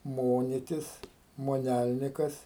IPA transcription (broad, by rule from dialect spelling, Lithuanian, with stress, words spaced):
ˈmoːnʲɪtʲɪs moːˈnʲælʲnʲɪkɐs